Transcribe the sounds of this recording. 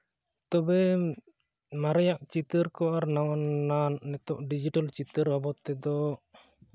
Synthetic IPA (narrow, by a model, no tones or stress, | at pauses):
t̪ɔbɛ | maɾajaʔt͡ʃit̪əɾkɔʔaɾnawannanːɛt̪ɔʔɖid͡ʒiʈalt͡ʃit̪əɾbabɔt̪ːɛd̪ɔ